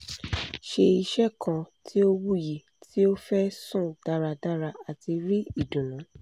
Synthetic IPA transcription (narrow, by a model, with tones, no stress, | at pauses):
ʃe˧i˧ʃɛ˦kʰã˧tʰi˦o˦wu˦ji˨ | tʰi˦o˦fɛ˦sũ˦˨d̥a˦ɾa˧da˦ɾa˧a˨ti˧ɾi˦i˦˨dũ˨nã˨˦